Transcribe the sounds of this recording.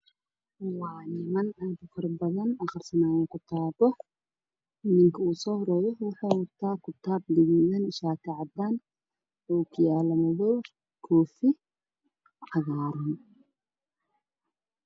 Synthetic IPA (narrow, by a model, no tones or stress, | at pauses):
wɑːnɪmɐnaːd̪fɐrbɐðɐnɐχɐrsɐnaːjɛːŋkʰʊt̪ʰaːbɔ | nɪŋkʰɐuːsɔːhrɛːjɔwɑħaːwʊt̪ʰaːkʰʊt̪ʰaːb̚lɪɣiðɐnɪʃaːkʰɐʕɑd̪aːn | ɔːkʰɪjaːlɐmɐðɔ | kʰɔːfɪ | ʕɑɣaːɾʊn